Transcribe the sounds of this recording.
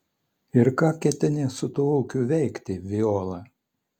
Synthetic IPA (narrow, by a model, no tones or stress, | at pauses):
ɪɾkɑːkʲɛt̪ʲɪnʲeːsʊt̪uːuːkʲuːʋʲɛɪkʲt̪ʲɪʋʲɪoːlˠɑ